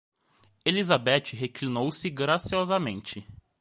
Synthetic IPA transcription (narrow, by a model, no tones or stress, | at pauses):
elizabɛt͡ʃɪɦeklinowsɪɡɾasiɔzamẽnt͡ʃɪ